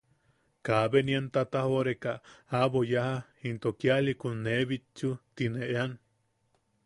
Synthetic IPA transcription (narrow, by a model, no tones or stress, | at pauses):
kaβenient̪at̪ahoɾekaaβojahaint̪okjalikunːeβit͡ʃːut̪ineʔean